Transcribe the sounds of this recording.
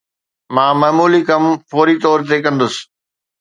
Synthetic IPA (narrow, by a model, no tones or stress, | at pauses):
mãːmɐːmuːlikɐmfoːɾit̪ɔːɾt̪̬ekɐ̃nd̪ʊsɪ̥̆